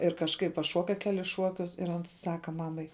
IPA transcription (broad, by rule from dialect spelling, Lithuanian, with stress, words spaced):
ɪr kɐʃˈkɐɪp pɐˈʃuɔkɐ ˈkʲæːlʲɪs ˈʃuɔkʲʊs ɪr ˈɐns ˈsɑːkɐ ˈmɑːmɐɪ